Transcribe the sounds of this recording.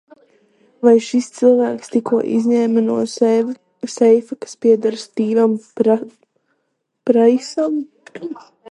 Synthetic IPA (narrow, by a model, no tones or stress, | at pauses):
vajʃist̪sɨlˠvæːkst̪ikuɔʔḭzʲɲɛːmɨnuɔ | sɛjfakḁspiɛd̪aɾst̪iːvam | pɾajsam